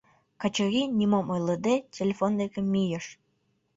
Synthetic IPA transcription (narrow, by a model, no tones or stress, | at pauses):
kɑt͡ɕə̆ɣʲinʲimomojləd̪etʲelʲefond̪ekə̆mːijə̆ʃ